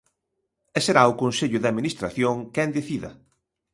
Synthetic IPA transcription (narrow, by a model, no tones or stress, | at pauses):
ɛseɾaʊkonseʎʊðaðminist̪ɾa̰θjoŋkɛnd̪eθiðɐ